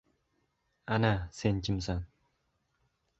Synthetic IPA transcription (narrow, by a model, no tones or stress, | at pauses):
anasent͡ɕimsaŋ